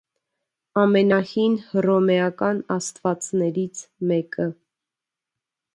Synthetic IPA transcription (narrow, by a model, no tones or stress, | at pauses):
ɑmɛnɑhinrɔmɛɑkɑnɑst̪vɑt͡snɛɾit͡sʰmɛkə